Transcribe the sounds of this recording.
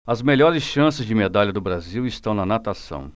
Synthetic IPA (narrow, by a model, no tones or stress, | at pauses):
ɐzmeʎɔɾɪsʃɐ̃sɪzd͡ʒɪmed̪aʎɐd̪ʊbɾaziwɪst̪ɐ̃w̃nɐnat̪asɐ̰̃w̃